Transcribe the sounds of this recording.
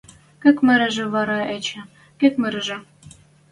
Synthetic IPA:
kɘ̆kmɘ̆ɾɘ̆ʒɘ̆βɑɾɑet͡ɕɘ̆ | kĕkmɘ̆ɾɘ̆ʒɘ̆

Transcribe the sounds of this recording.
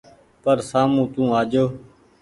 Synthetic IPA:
pəɾsaːmũːt̪ũːaːd͡ʒoː

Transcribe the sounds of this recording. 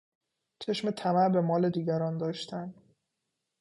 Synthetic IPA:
t͡ʃʰe̞ʃme̞t̪ʰæmæɾbe̞mɒːle̞d̪iːɟæɾɒːnd̪ɒːʃt̪ʰænd̪̥

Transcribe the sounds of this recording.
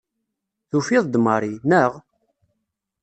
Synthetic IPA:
θufiðˤd̪məɾˤinəʁ

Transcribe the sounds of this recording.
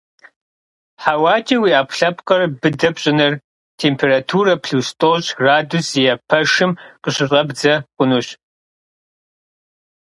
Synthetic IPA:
ħawaːt͡ʃʼiwiːʔaːpɬɐpʰʼqʼɐrbɨdɐpɕʼɪnɨr | tʰeːmpʰeːratʰuːɾɐpʰɬuːstʼoːɕraːdusijɐpʰɐʂɨmqʼəɕɪɕʼɐbd͡zɐqʷʼʊnuɕ

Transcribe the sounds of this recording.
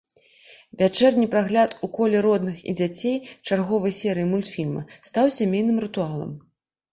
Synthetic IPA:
vʲat͡ʂɛrnʲipɾaɣlʲat̪ukɔlʲɛɾɔd̪nɨxḭd͡zʲat͡sʲejt͡ʂarɣɔvɐjsʲɛɾɨjimulʲt̪fʲilʲmɐ̰st̪awsʲamʲejnɨmɾɨt̪ualˠɐ̰m

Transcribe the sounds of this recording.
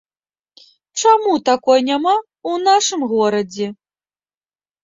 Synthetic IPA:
t͡ʂamut̪akɔjnʲama | wnaʂɨmɣɔɾɐd͡zʲɛ

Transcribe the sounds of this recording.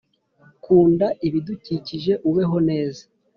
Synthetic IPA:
kuːndaʔiβiduciciʒe̞ʔuβe̞ɦo̞ne̞ːzḁ

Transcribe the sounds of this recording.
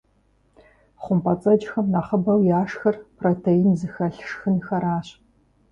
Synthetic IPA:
χʷʊmpʰɐt͡sʼɐd͡ʒxɐmnaχəbɐwjaːʂxɐrpʰrotʰejinzɨxɐɬʂxɨnxɐɾaːɕ

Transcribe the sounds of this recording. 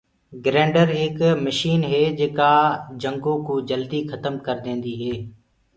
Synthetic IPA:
ɡɾẽːɳɖəɾɦɪkməʃiːnɦeːd͡ʒeːkaːd͡ʒəŋɡõːkuːd͡ʒəld̪iːxət̪əmkəɾd̪ẽːnd̪iːɦeː

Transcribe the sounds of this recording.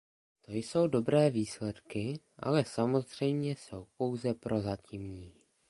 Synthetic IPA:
t̪o̞jso̞wdo̞bɾɛːviːslɛt̪kɪ | ʔa̰lɛsamo̞zr̝̥ɛjmɲɛso̞wpo̞wzɛpɾʔo̞zacimɲiː

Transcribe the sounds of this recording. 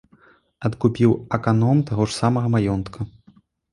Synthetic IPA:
ɐt̪kupʲiwɐkanɔmt̪aɣɔʂsamɐɣɐmajɔnt̪kʰɐ

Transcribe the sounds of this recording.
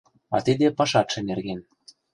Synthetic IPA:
ɑ̰t̪id̪epɑʃɑt̪ʃĕnerɣen

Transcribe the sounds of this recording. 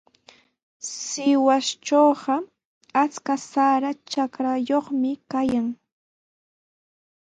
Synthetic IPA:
sɪwast͡ʃoːɢɑ | at͡skasaɾat͡ʃakɾajoχmɪkajaŋ

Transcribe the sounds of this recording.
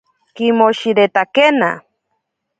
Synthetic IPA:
kimoʃiɾet̪akena̰

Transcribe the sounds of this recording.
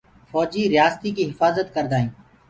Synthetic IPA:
fɔːd͡ʒiːɾɪjaːst̪iːkiːɦɪfaːzət̪kəɾd̪aːɦĩː

